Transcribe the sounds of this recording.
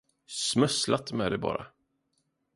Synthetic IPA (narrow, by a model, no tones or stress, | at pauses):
smœslat̪mɛːd̪ɛbɑ̰ːɾa